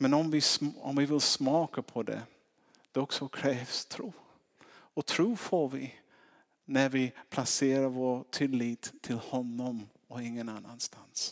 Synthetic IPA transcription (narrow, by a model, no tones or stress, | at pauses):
mɛnɔmvɪsɔ̰mvɪvɪlsmɑːkapʰɔd̪ɛ̰ | d̪̥ɛɔksɔkʰɾɛːvst̪ʰɾuː | ɔt̪ʰɾuːfoːɾvɪ | næɾvɪpʰlaseːɾaɾvoːt̪ʰɪlːiːt̪ʰːɪlhɔnːɔm | ɔɪŋːənanːanst̪ans